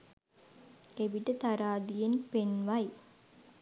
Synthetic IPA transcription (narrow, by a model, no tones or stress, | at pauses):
ebiʈət̪aɾaːd̪ijenpenʋaj